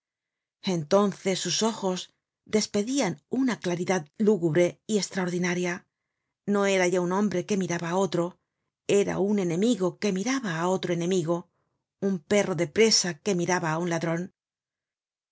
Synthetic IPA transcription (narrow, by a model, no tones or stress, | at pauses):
e̞nt̪o̞nθe̞sːuso̞xo̞z | d̪e̞spe̞ðianunaklaɾiðaðluɣuβɾe̞ie̞st̪ɾaoɾðinaɾja | no̞e̞ɾaʝaunõ̞mbɾe̞ke̞miɾaβaːo̞t̪ɾo̞ | e̞ɾa̰une̞nẽ̞miɣo̞ke̞miɾaβaːo̞t̪ɾoe̞nẽ̞miɣo̞ | umpe̞ro̞ðe̞pɾe̞sake̞miɾaβaːunlaðɾo̞n